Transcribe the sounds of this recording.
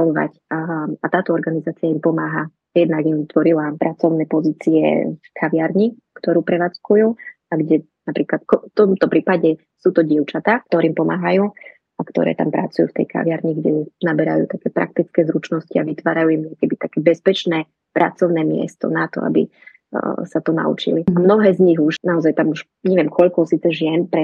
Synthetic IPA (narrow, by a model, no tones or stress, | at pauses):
ɔnʋa̰cat̪aːt̪ɔɔɾɡanizaːt͡sijaimpɔmaːɦa | jɛd̪naɡimʋit̪ʋɔɾilapɾat͡sɔʊnɛːpɔziːt͡siɛ̰fkʰaʋɪaɾɲi | kt̪ɔɾuːpɾɛʋaːt͡skujuː | aɡɟɛ | napɾiːklat̪kɔft̪ɔmt̪ɔpɾiːpaɟɛ | suːt̪ɔɟɪɛʊt͡ʃat̪aːkt̪ɔɾiːmpɔmaːɦajuː | akt̪ɔ̰ɾɛ̰ːt̪a̰mpɾa̰t͡sujṵːft̪ɛ̰jkʰa̰ʋɪaɾɲiɡɟɛjunabɛɾa̰jṵːt̪akɛːpɾa̰k̚t̪it͡skɛːzɾut͡ʃnɔsciaʋit̪ʋaːɾajuːimɲɛkɛbit̪akɛːbɛspɛt͡ʃnɛː | pɾʔat͡sɔʊnɛːmɪɛ̰st̪ɔ̰nat̪ɔ̰a̰bḭ | sat̪ɔna̰ṵt͡ʃḭliamnɔɦɛːzɲiɣuʃnaɔzajt̪amuʃ | ɲɛʋɪjɛmkʰɔʎkɔsiːt͡sɛʒɪɛnpɾɛ